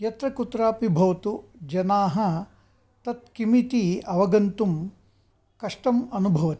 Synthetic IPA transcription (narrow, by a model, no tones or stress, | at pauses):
jɐt̪ɾɐkut̪ɾaːpibʱɐʋɐt̪ud͡ʒɐnaːɦɐ̆ | t̪ɐt̪̚kimit̪iɐʋɐɡɐnt̪um | kɐʂʈɐmɐnubʱɐʋɐt̪i